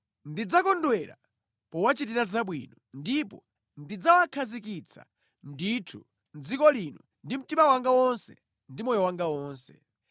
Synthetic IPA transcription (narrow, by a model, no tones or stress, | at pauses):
ndid͡zakɔndwɛɾa̰ | pɔwat͡ʃitiɾazaɓwinɔndipɔ | ndid͡zawakʰazik̬it͡sʰa̰ | nditʰu | nd͡zikɔlinɔ | ndim̩timawaŋɡawɔnsɛ | ndimɔjɔwaŋɡawɔːnsɛ̰